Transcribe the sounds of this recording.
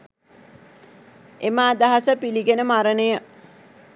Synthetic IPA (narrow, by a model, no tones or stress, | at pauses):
emaːd̪aɦasəpiliɡenəmaɾənəjə